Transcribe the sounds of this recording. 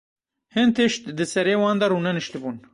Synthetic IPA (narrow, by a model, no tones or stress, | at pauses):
hɨnt̪ʰɨʃt̪d̪ɨsɛɾeːwɑːnd̪ɐɾuːnɛnɨʃt̪ɨbuːn